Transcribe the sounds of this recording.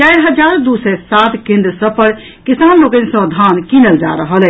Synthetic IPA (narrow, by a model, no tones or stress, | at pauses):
t͡ʃajɾɦəd͡ʒaɾd̪usɛsat̪kẽnd̪ɾəsəbpəɽ | kisanlokənsə̃d̪ʱankinəld͡ʒaɾəɦəlɛ